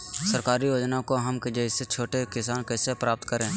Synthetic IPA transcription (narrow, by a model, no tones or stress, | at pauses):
səɾkaːɾijoːd͡ʒnakoɦəmked͡ʒəɪset͡ʃʰoːʈekɪsaːnkɛːsepɾaːp̚t̪kəɾẽː